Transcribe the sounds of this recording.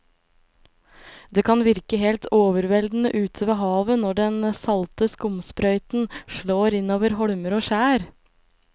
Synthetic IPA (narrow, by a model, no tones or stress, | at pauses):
d̪eːkʰɑnʋɪɾkəheːlt̪ʰoːʋəɾʋɛld̪n̩əʔʉːt̪ʰəʋeːɦɑːʋənɔɖɛnsɑlt̪əskʊmspɾœʏt̪n̩ʃɭoːɾɪnoːʋəɾhɔɽməɾoːʃæːɾ